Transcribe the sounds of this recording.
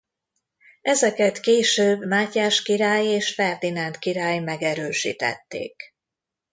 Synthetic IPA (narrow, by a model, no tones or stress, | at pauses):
ɛzɛkɛt̪keːʃøːbmaːcaːʃkiɾaːjeːʃfɛrd̪inɛnt̪kiɾaːjmɛɡɛɾøːʃḭːt̪ɛ̰t̪ːḛːk